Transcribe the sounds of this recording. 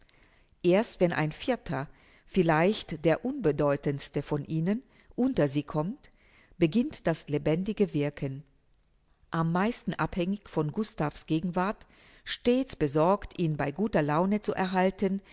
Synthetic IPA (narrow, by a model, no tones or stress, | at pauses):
ʔeːɐstv̥ɛnʔa̰ɪnfɪɐtʰɐ | fɪlaɪçtd̥eːɐʔʊnbədɔʏtənstəfɔnʔiːnən | ʔʊntɐziːkʰɔmt | b̥əɡɪntd̥aslebɛndɪɡəvɪɐkʰən | ʔamːaɪstn̩ʔaphɛŋɪçfɔnɡʊstafsɡ̥eːɡŋ̩vaɐt | ʃteːt͡sb̥əzɔɐktʔiːnbaɪɡuːtɐlaʊnət͡suʔɛ̰ɐɦaltən